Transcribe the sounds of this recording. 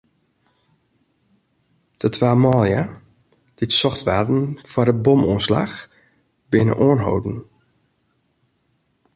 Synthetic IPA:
d̥ətʰʋaːmɔːlˠja | d̥ɪtsɔxtʋaːtn̩fɔdəbɔmuənsla̰x | bɪnə̰ʔoənɦo̰wdn̩

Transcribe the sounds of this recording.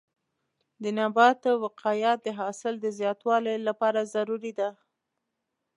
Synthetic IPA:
d̪ənabɑt̪wɪqɑjɑt̪̚d̪əɦɑsɪld̪əzjɑt̪wɑlejlapɑɾazaɾuɾid̪a

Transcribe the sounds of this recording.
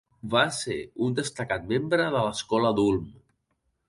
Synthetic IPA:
basḛɾund̪əst̪əkat̪membɾəðələskɔləðulˠm

